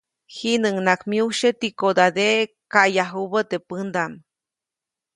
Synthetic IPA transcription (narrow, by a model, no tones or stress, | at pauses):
hinəŋnakmiuʃet̪ikod̪ad̪e | kajaɦuβət̪epənd̪am